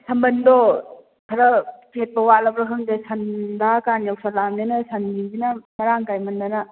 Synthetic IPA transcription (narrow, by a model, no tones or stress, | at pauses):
sʰɐmbɐndɔ | tʰɐɾɐket̚bɐwalɐbɾɯɦɯŋdesɐndakanjawsʰalamnenɐsɐnbiŋzinɐmɐɾaŋkajmɐndanɐ